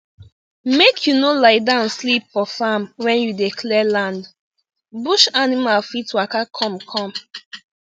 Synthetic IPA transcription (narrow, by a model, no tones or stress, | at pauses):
mekʰjunolaɪdãnslipfɔfamwɛ̃njudekʰlɛlãnd | buʃanimalfitwakakʰɔ̃mkʰɔ̃m